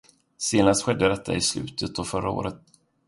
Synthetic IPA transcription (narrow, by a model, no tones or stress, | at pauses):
seːnast̪ɧɛd̪ːəd̪ɛt̪ʰːa̰ɪslʉ̟̰ːt̪ʰət̪̚ɔfœɾao̰ːɾət̪̚